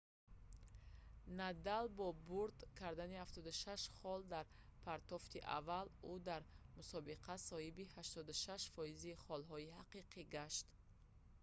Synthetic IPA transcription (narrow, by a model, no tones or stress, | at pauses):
nad̪albɔbuɾd̪kʰaɾd̪anihaft̪ɔd̪uʃaʃχɔld̪aɾ | pʰaɾt̪ɔft̪iʔa̰valud̪aɾmusɔbiqʰasɔhibihaʃt̪ɔd̪uʃaʃfɔiziχɔlɦɔihaqiqʰiɡaʃt̪